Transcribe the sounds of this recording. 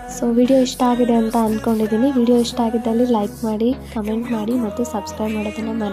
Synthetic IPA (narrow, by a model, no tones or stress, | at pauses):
soːʋiːɽijo̞iʂʈaːɡid̪e̞ɐnt̪ɐɐnd̪ko̞ɳɖid̪iːniʋiːɽijoːiʂʈaːɡid̪ːɐlːilɐjkmaːɽikɐme̞ɳʈmaːɽimɐt̪ːusɐbskɾɐjbmaːɽoːd̪ɐnːɐmɐne